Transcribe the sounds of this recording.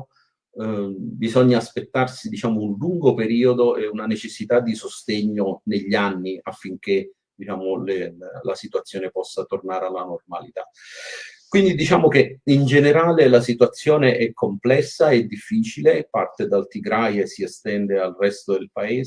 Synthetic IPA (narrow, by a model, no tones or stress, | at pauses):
bizɔɲːaːspet̪ːarsid̪it͡ʃaːmounluŋɡopeɾiːod̪oɛunanet͡ʃesːit̪ad̪ːisost̪eɲːoneʎːanːiafːiŋk̟e | d̪̥it͡ʃaːmolelasit̪uat̪sːjɔːnepɔsːat̪ornaːɾealːanormalit̪a | kwind̪id̪it͡ʃaːmokeind͡ʒeneɾaːlelasit̪uat̪sːjoːneʔɛkːomplɛsːaed̪ːifːiːt͡ʃilepa̰rt̪ed̪alt̪iɡɾajesːiɛst̪ɛnd̪ealrɛst̪od̪elpaeːz